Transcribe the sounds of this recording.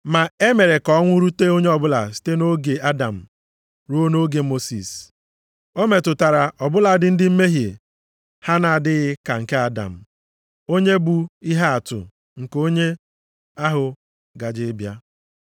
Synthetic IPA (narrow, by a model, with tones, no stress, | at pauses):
ma˨e˦me˨ɾe˨kɔ˦ŋʷʊ˦ɾu˦te˦o˦ɲe˦ɔ˨bʊ˦la̰˨si̥˦te˦no˦ɡe˨a˦da̰˨m̩˨ | ɾo˦no˦ɡe˨mo˦sḭ˨s | o˦me˨tʊ˨ta˨ɾa˨ɔ˨bʊ˦la˨dɪ˨n̩˦dɪ˦m̩˦me˦ɦje˨ | ha˦na˨a˨dɪ˦ɣɪ˦ka˨ŋ̩˨ke˦a˦da̰˨m̩˨ | o˦ɲe˦bu˨i˦ɦa˦a˨tʊ̰˨ | ŋ̩˨ko˦ɲe˦ | a˦ɦʊ˨ | ɡa˨d͡ʒɪ˦bja˦